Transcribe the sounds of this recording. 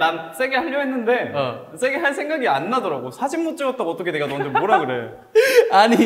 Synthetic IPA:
nans͈e̞ɡehaʎːoɦe̞nːɯnde̞ | s͈ʰe̞ɡeɦaɭs̬͈ʰeŋɡaɡianːadʌɾaɡosʰad͡ʑimːut͡ɕ͈ɯɡʌt͈̚aʌt͈ʌkʰe̞neɡatʌmd͡ʑemoɾaɡɯɾe̞jo | aɲi

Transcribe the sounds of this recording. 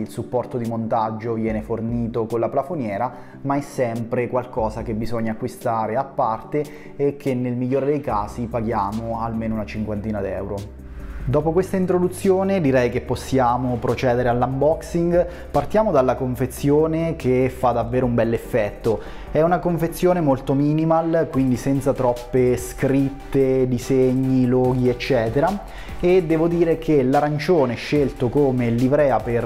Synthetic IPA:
ilsupːɔrt̪od̪imont̪ad͡ʒːovjɛːneforniːt̪okolaplafonjɛːɾa | maɛsːɛmpɾekwalkɔːzakebːizoɲːakːwist̪aːɾeapːart̪eː | kʰːenːelmiʎːoːɾed̪ejkaːsipaɡjaːmoalmeːnounat͡ʃiŋkwant̪iːnad̪iɛ̰wɾo | d̪ɔːpokwest̪aint̪ɾod̪ut̪sːjoːned̪iɾɛjkepːosːjaːmopɾot͡ʃɛːd̪eɾealːambɔksiŋɡ | part̪jaːmod̪alːakoɱfet̪sːjoːnekʰefːad̪avːeːɾoumbɛlːefːɛt̪ːo | ɛunakoɱfet̪sːjoːnemolt̪omiːnimalkwind̪isɛnt̪sat̪ɾɔpːeskɾit̪ːed̪izeɲːilɔːɡiet͡ʃːɛːt̪eɾa | ed̪ːɛːvod̪iːɾekʰelaɾant͡ʃoːneɛʃːelt̪okoːmelibɾɛːaper

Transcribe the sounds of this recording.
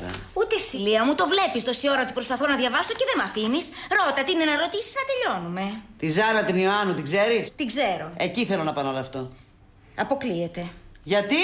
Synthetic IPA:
ut̪e̞siliɐmut̪o̞vle̞pist̪o̞sio̞ɾɐot̪ipɾo̞spɐθo̞nɐðʝɐvɐso̞ceðe̞mɐfinisɾo̞t̪ɐt̪inenɐɾo̞t̪isi̥znɐt̪e̞ʎo̞nume̞t̪izɐɾɐt̪inioɐnut̪iɡze̞ɾist̪iɡze̞ɾo̞e̞ciθe̞lo̞nɐpɐnoloɐft̪o̞ | ɐpo̞kliet̪e̞ʝɐt̪i

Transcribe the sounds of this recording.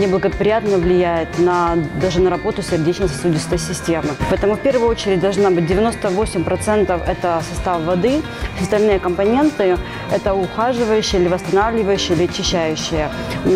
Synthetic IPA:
nʲɪblˠəɡəpɾʲɪjat̪nəvlʲɪjæjɪt̪nɐd̪aʐɨnəɾɐbo̞t̪ʊsʲɪrdʲet͡ɕnəjsɐsudʲɪst̪əjsʲɪsʲtʲemɨpɐɛt̪əmʊfʲpʲe̞rvʊjʊo̞t͡ɕɪɾʲɪt̚ʲd̪ɐlˠʐnabɨt̚ʲdʲɪvʲɪno̞st̪əvosʲɪmʲpɾɐt̪sɛnt̪əfɛt̪əsɐst̪afvɐd̪ɨ | fsʲɪɐst̪ɐlʲnɨjəkəmpɐnʲe̞nt̪ɨ | ɛt̪əʊxaʐɨvəjʉɕːɪjəilʲɪvəst̪ɐnavlʲɪvəjʉɕːɪilʲɪɐt͡ɕːɪɕːæjʉɕːɪjə

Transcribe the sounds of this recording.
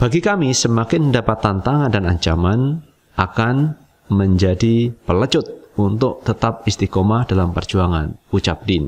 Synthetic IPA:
b̥aɡikamisəmakɪnədapat̪ːant̪aŋandanaɲt͡ʃaman | ʔakan | məɲd͡ʒadipələt͡ʃʊt̪̚unt̪ʊk̚t̪ət̪ap̚ist̪ikomadalampərd͡ʒuaŋa̰nut͡ʃap̚dɪn

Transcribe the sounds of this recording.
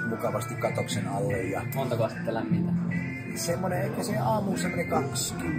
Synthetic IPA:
mukɑʋɑst̪ikkɑt̪oksenɑlːejjɑmont̪ɑkoɑst̪it̪ːælæmːint̪æ | nisemːoneekːoseɑːmuːsemːonekɑt̪s

